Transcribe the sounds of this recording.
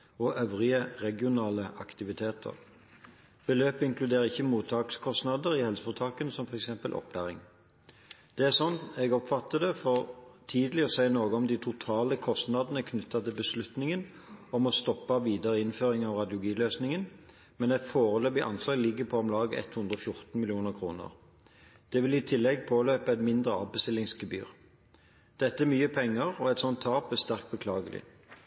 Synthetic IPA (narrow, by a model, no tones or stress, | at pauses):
ɔʔœʋʁɪəʁɛɡɪʊnɑːləʔɑkt̪ɪʋɪt̪ʰeːt̪ʰə̰ʁ | b̥əløːpɪŋklʉd̪eːɾəɪçːəmuːt̪ʰɑːkskʰɔst̪nɑd̪əɾɪhɛlsə̥fɔt̪ʰɑːkənsɔmfɔʁɛksɛmpəlʔɔ̰pʰlæ̰ːʁɪ̰ŋ | d̪̥ɛæsɔnt̪ɛɡɔpfɑt̪ːəd̪ɛfɔʁt̪ʰiːd̪əlɪɔsæɪnoːɡəɔmd̪ɪt̪ʰʊt̪ʰɑːləkʰɔst̪nɑd̪ənəkʰnʉt̪ːɑt̪ʰɪlbəslʉt̪nɪŋən | ɔmɔst̪ɔpːɑʋiːd̪ɑʁəɪnføːʁɪŋɑʋʁɑd̪jʊɡiːløːsnɪŋən | mɛnɛɡfoːʁəløːbɪʔɑ̰nslɑːɡlɪɡːəpʰɔɔmlɑːɡəɛ̰t̪hʉnd̪ʁɔfjʊʁt̪n̩mɪlɪuːnəʁkʰɾṵːnə̰ʁ | d̪̥ɛʋɪlɪt̪ʰɪlːɛɡpʰoːløːpəɛt̪mɪnd̪ʁəɑ̰ːʋbəst̪ɪlːɪŋsɡəby̰ːʁ | d̪̥ɛt̪ːəæmyːəpʰɛŋːəʁɔɛt̪sɔnt̪ʰːɑːpæst̪æʁkt̪̚bəkʰlɑ̰ːɡəlɪ̰